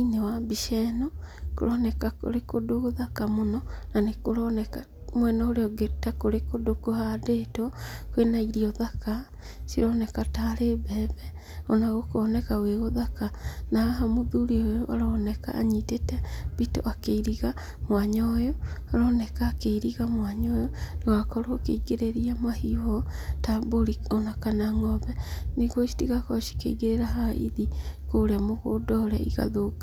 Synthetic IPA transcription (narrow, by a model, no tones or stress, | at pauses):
inewabiʃɛnɔko̰ɾɔnɛkako̰ɾekodoɣoðakamonɔnanekoɾɔnɛka | mwɛnaoɾeɔɡetakoɾekodokohadeːtɔkowenaiɾiɔðaka | siɾɔnɛkataɾebɛbɛ | ɔnaɣokɔnɛkaweɣoðakanaaɦamoðuɾiojɔβaɾɔnɛka̰ʔa̰ɲitetɛbito̰ʔakeiɾiɣa | mwaɲɔjɔaɾɔːnɛkaːkeiɾiɣamwaɲɔjɔnewakɔɾoːkḛiɡeɾeɾiamahiɔtaboɾionakanaŋɔbɛniɡoʃi̥tiɣakɔʃi̥kḛiɡeɾeɾaɦaḭðikoɾeamoɣodɔɾɛiɣa̰ðoka